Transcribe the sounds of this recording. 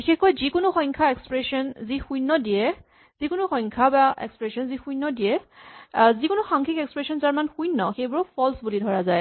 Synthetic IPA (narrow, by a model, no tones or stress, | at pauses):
bixexkojzikʊnʊxɔjŋkʰaɛkspɹɛsɔnzixujnːɔdijɛ | z̥ikʊnʊxɔjŋkʰabaʔɛ̰kspɹesɔnzixujnːɔdiɛ | zikʊnʊxaŋkʰikɛkspɹɛsɔnzaɹmanxujnːɔxejbɔɹɔpʰɔlsbulidʱɔɹazaj